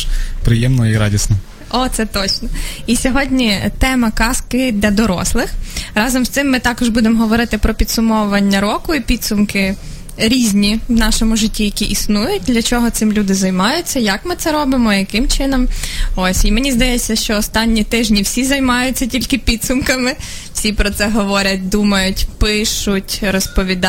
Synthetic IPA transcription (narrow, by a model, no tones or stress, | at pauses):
pɾɪjɛmnɔiɾɑ̰dʲisnɔ | ɔt̪sɛt̪ɔt͡ʃnɔisʲɔɦɔdʲnʲit̪ɛmɐkɑskɪd̪ʲlʲɐd̪ɔɾɔ̰slˠɪxɾɑzɔmst̪ɪmːɪt̪ɑkɔʒbud̪emɦɔʋɔɾɪt̪ɪpɾɔpʲid̪sʊmɔwʊʋɐnʲːɐɾɔkʊipʲid̪sʊmkɪ | ɾʲizʲnʲiwnɑʃɔmʊʒɪtʲːijɐkʲiʔisnujʊt̚ʲd̪lʲɐt͡ʃɔɦɔt̪sɪmlʲud̪ɪzɐjmɑjʊtʲt͡sʲːɐjɐkmɪt̪sɛɾɔbɪmɔjɐkɪmt͡ʃɪnɔmɔsʲimenʲizd̪ɐjɛt͡sʲːɐʃt͡ʃɔːst̪ɑnʲːit̪ɪʒnʲiwsʲizɐjmɑjʊt͡sʲːɐtʲilʲkɪpʲid̪sʊmkɐmɪ | wsʲipɾɔt̪sɛɦɔʋɔɾʲɐt̚ʲd̪umɐjʊtʲpɪʃʊtʲɾɔspɔʋʲid̪